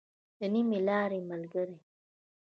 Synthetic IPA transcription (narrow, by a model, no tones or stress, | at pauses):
enimilaːɾimalɡəɾi